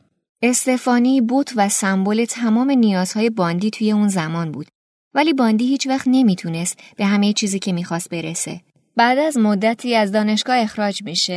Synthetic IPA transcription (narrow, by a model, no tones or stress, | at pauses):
ʔe̞st̪e̞fɒːneibot̪ʰvæsæmbole̞t̪ʰæmɒːme̞nijɒːz̥hɒːje̞bɒːnd̪iːt̪ʰuːje̞unzæmɒːnbṵːd̪̥ | væliːbɒːnd̪iːhiːt͡ʃvæχt̪ne̞miːt̪ʰuːne̞st̪b̥e̞ɦæme̞jet͡ʃʰiːziːcʰe̞miːxɒːst̪̚be̞ɾese̞̰ | b̥æd̪æzmod̪ːæt̪ʰiːæzd̪ɒːne̞ʃɡ̥ɒːe̞xɾɒːd͡ʒmiːʃe